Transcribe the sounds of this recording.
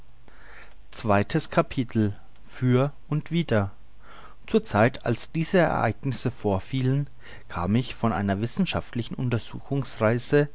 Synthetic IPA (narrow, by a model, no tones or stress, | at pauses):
t͡sv̥aɪtʰəskʰapʰitʰl̩ | fyːɐʔʊntv̥iːdɐ | t͡suːɐt͡saɪtʰa̰lsd̥iːzəɛ̰ɐʔa̰ɪɡnɪsəfoːɐfiːlən | kʰa̰ːmɪçfɔnʔa̰ɪnɐvɪsn̩ʃaftlɪçn̩ʔʊntɐzṵːxʊŋsʁaɪzə